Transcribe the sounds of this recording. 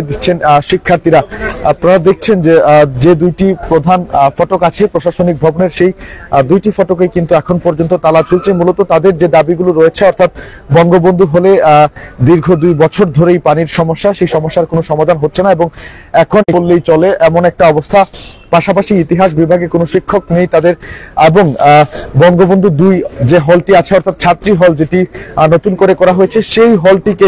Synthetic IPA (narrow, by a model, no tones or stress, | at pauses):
d̪it͡ɕʰenʃikʰːaɾt̪iɾapɾaad̪ek̚ʰt͡ɕʰend͡ʑed͡ʑed̪ujʈipɾod̪ʱanfɔʈokat͡ɕʰepɾoʃaʃonik̚bʱɔboneɾʃejd̪ujʈifɔʈokejkint̪uɛkʰonpɔɾd͡ʑont̪ot̪alat͡ɕolt͡ɕʰemulɔt̪ot̪ad̪eɾd͡ʑed̪abiɡuloɾɔet͡ɕʰeɔɾt̪ʰat̪ | bɔŋɡobond̪ʱuɦoled̪iɾɡʱod̪ujbɔt͡ɕʰoɾd̪ʱoɾejpaniɾʃɔmoʃːaʃejʃɔmoʃːaɾkonoʃɔmad̪ʱanɦotːɕʰenaeboŋɛkʰoneolːejt͡ɕɔleʔɛmonɛk̚ʈaɔbost̪ʰapaʃapaʃiit̪iɦaʃ̬bibʱaɡekonoʃikʰːoknejt̪ad̪eɾeboŋbɔŋɡobond̪ʱud̪ujd͡ʑeɦɔlʈiat͡ɕʰeɔɾt̪ʰat̪̚t͡ɕʰat̪ːɾiɦɔld͡ʑeʈinot̪unkoɾekɔɾaɦoet͡ɕʰeʃejɦɔlʈike